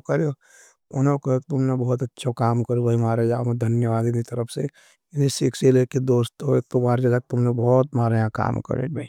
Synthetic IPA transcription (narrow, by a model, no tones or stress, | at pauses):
kɐɾjo | ʊnokoek̚t̪ʊmnebɔːɔt̪ɐtːʃʰokaːmkɐɾubɐimaːɾed͡ʒamd̪ʱɐnjəʋaːd̪init̪ɐɾəpʰse | nisɪkselekid̪oːst̪oek̚t̪omaːɾd͡ʒaɡak̚t̪ʊmnebɔːt̪maːɾjãka̰ːmkə̰ɾḛbʱai